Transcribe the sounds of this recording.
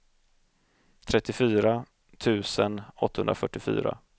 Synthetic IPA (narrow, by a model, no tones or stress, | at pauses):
t̪ʰɾɛt̪ːɪfyːɾa | t̪ʰʉ̟ːsənɔt̪ːahɵ̰nd̪ɾafœʈːɪfy̰ːɾa̰